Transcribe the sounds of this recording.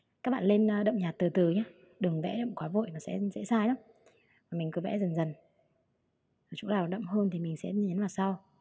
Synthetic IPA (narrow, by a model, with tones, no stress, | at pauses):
kaː˦˥k̚ɓa̰ː˧˨le˧nː˧ɗə̰˧˨wŋ͡mɲaː˨˩t̚t̪ɨ˨˩t̪ɨ˨˩ɲaː˧ | ɗɨ˨˩əŋvɛ̰˧˥ɗə̰˧˨wŋ͡mkwaː˨˦vo̰˧˨jmaː˨˩sɛ̰˧˥zɛ̰˧˥saː˧jɗə˨˦ | vaː˨˩mi˨˩ŋ̟kɨ˨˦vɛ̰˧˥zə˨˩nzə˨˩n | zo˨˩t͡ɕʊ̰˧˥ɗaː˨˩˨ɗə̰˧˨wŋ͡mɦəː˧nt̪ʰi˨˩mï˨˩ŋ̟sɛ̰˧˥ɲi˨˦nvaː˨˩wsaː˧w